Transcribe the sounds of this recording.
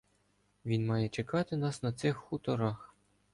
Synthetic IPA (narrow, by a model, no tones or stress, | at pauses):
ʋʲinmɑjɛt͡ʃekɑt̪ɪnɑsnɐt̪sɪxːut̪ɔɾɑx